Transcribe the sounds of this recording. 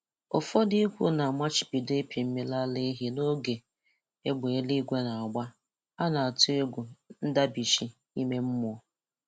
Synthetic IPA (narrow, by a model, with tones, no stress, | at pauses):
ɔ̰˨fɔ˦di˦kʷu˦na˨ma˦t͡ʃi̥˨pi˨de˦pʰi˨m̩˦me˦la˦le˦ɦi˦no˦ɡe˨ | e˦ɡ͡be˨e˦li˦ɡʷe˦na˨a˨ɡ͡ba˦ | a˦na˨a˨tʊ˦e˦ɡʷu˨n̩˦da˦bi˨ʃi˦ | i˦me˦m̩˦mʊ˦ɔ˨